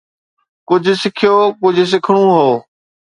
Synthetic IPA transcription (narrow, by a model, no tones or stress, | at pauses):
kʊd͡ʑʱʊ̆sɪkʰijoːkʊd͡ʑʱʊ̆s̬ɪkʰəɽ̃ũɦoː